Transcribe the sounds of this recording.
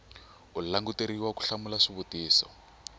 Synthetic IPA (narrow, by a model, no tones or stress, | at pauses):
ullaŋɡuteɾiwaku̥ɬamulaʂiβutiːsɔ̰